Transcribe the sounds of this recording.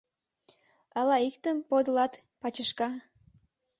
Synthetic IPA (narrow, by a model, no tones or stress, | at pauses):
ɑlɑikt̪əmpod̪əlɑt̪ | pɑt͡ɕəʃkɑ